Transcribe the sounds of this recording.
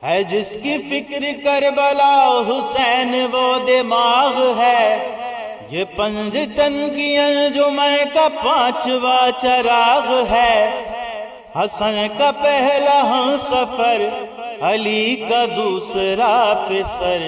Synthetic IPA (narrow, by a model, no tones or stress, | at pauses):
ɦɛd͡ʒɪskifɪkɾkɐɾbɐlaːɦʊsɛːnʋɔːd̪emaːɣɦɛː | jeːpɐ̃ɲd͡ʒt̪ə̃nkijə̃d͡ʒomɐ̃kapãːt͡ʃʋaːt͡ʃɐɾaːɣɦɛː | hɐsənkapɛɦlaɦɐ̃sɐpʰəɾ | ɐliːkad̪uːsɾapesəɾ